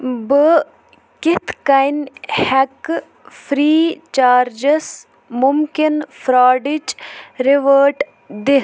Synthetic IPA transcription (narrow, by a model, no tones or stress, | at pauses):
bə | kɪt̪ʰkɐjnhɛk | fʰɾiːt͡ʃaːɾd͡ʒəs | mʊmkɪnfɾaːɖid͡ʒɾɪʋəːʈ | d̪ɪ